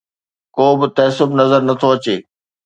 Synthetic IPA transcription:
koːbɪt̪ɐsʊbnɐzəɾnɐt̪ʰoɐt͡ɕeː

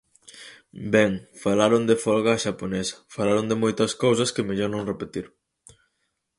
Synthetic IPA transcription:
bɛŋfalaɾond̪efɔlɣaːʃaponɛsɐ̥falaɾond̪emojt̪ɐskowsɐskemeʎɔɾnõŋrepet̪iɾ

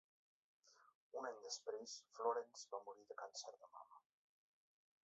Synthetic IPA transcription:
unaɲd̪əspɾesfloɾɛnz̥βamuɾiðəkansɛɾðəma̰mə

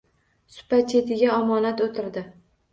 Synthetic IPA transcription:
sʊ̥pat͡ʃʰe̞t̪ʰɪɡʲaɒmɒnat̪ot̪ʰɪɾd̪ɪ

